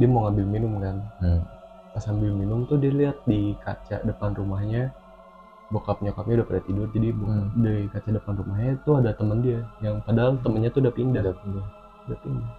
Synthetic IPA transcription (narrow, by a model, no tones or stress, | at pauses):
diamoŋambɪlminʊmkan | pasambɪlminʊmt̪ʊhdialiat̪̚dika̰t͡ʃa̰dəpanrumahɲa | bokapəɲakapmiudahpədat̪idʊrd͡ʒadibukdaikat͡ʃaʔdəpanrumahɲat̪uadat̪əməndiajaŋpadat̪əmənɲat̪udapindada | dapindah